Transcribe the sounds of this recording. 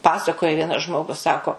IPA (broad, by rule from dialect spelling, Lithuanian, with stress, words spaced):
ˈpɑːsɐkoːjɛ ˈʋʲiɛnɐs ˈʒmoːɡʊs ˈsɑːkoː